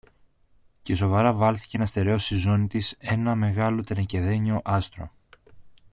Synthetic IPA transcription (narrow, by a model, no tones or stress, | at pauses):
ce̞so̞vɐɾɐvɐlθi̥cenɐst̪e̞ɾeo̞sizo̞nit̪ise̞nɐme̞ɣɐlo̞t̪enɐce̞ðe̞ɲio̞ʔɐst̪ɾo̞̰